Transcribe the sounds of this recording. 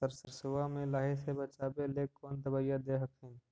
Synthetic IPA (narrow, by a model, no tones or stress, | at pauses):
səɾsəɾsʊʋaːmẽːlaːɦesebət͡ʃaːbeːleːkːoːnd̪əbaːijãd̪eːɦəkɦẽː